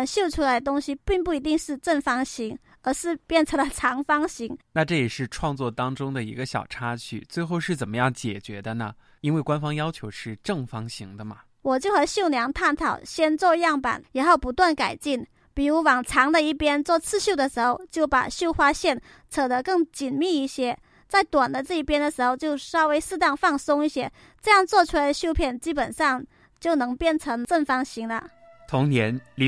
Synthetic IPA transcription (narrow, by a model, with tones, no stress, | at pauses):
nɕjo˥˩ʊʈ͡ʂʰu˥la˧˥ɪt̪̬ʊ˥ŋɕi˨pi˥˧ŋpu˥˩i˧˥t̪i˥˧ŋʂɻ̩˥˧ʈ͡ʂə˥˩nfɑ˥ŋɕi˧˥ŋ | ə˞˧˥ʂɻ̩˥˧pjɛ˥˩nʈ͡ʂʰə˧˥ŋlə˧˩ʈ͡ʂʰɑ˧˥ŋfɑ˥ŋɕi˧˥ŋna˥˧ʈ͡ʂɤ˥˩jɛ˨˩ʂɻ̩˥˧ʈ͡ʂʰwɑ˥˧ŋt͡swɔ˥˩t̪ɑ˥ŋʈ͡ʂʊ˥ŋd̪ə˨ḭ˧˥ɡə˧ɕjɑ̰˨˩ʊʈ͡ʂʰa˥t͡ɕʰy̰˥˩t͡swe˥˧ɪxo˥˧ʊʂɻ̩˥˩t͡sə˨˩nmə˦jɑ˥˩ŋt͡ɕjɛ̰˨˩t͡ɕɥɛ̰˧˥d̪ə˧nə˨ | i˥nwe˥˩ɪkwa˥nfɑ˥ŋjɑ˥ʊt͡ɕʰjo˧˥ʊʂɻ̩˥˧ʈ͡ʂɤ˥˩ŋfɑ˥ŋɕi˧˥ŋd̪ə˧mɐ˨ | wɔ˨˩t͡ɕjo˥˩ʊxɤ˧˥ɕjo˥˩ʊnjɑ˧˥ŋt̪ʰa˥˩nt̪ʰɑ˨˩ʊɕjɛ˥nt͡swɔ˥˧jɑ˥˩ŋpa̰˨˩˦nɻa˧˥xo˥˩ʊpu˧˥t̪wa˥˩nka˨˩ɪt͡ɕi˥˩n | pi˨˩ɻu˧˥wɑ˨˩ŋʈ͡ʂʰɑ˧˥ŋd̪ə˧i˥˩pjɛ˥nt͡swɔ˥˧t͡sʰɹ̩˥˧ɕjo˥˩ʊd̪ə˩ʂɻ̩˧˥xo˥˧ʊt͡ɕjo˥˩ʊpa̰˨˩ɕjo˥˧ʊxwa˥ɕjɛ˥˩n | t͡sʰɤ˨˩d̪ə˧˦kɤ˥˩ŋt͡ɕi˨˩nmi˥˧i˥˩ɕjɛ˥ | t͡sa˥˩ɪt̪wa˨˩nd̪ə˦ʈ͡ʂɤ˥˧i˥˩pjɛ˥nd̪ə˨ʂɻ̩˧˥xo˥˧ʊt͡ɕjo˥˧ʊʂɑ˥ʊwe˥ɪsɹ̩˥˧t̪ɑ˥˧ŋfɑ˥˩ŋsʊ˥ŋi˥˩ɕjɛ˥ | ʈ͡ʂɤ˥˧jɑ˥˧ŋt͡swɔ˥˧t͡ɕʰu˥la˧ɪə˧ɕjo˥˧ʊpʰjɛ˥˩nt͡ɕi˥pə˨˩nʂɑ˥˧ŋ | t͡ɕjo˥˩ʊnɤ˧˥ŋpjɛ˥˩nʈ͡ʂʰɤ˧˥ŋʈ͡ʂə˥˩ŋfɑ˥ŋɕi˧˥ŋlə̰˧ | t̪ʰʊ˧˥ŋnjɛ˧˥nli˧